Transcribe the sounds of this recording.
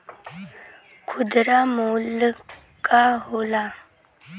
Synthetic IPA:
kʰʊd̪ɾamoːl | kaɦoːla

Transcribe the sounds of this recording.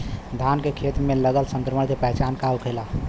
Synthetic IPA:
d̪ʱankekʰet̪meləɡəlsə̃ŋkɾəməɽ̃kepəɦt͡ʃankawkʰela

